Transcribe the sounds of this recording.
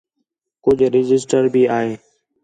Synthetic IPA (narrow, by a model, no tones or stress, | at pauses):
kʊd͡ʒʱɾɪd͡ʒɪsʈəɾbʱiːaːɦeː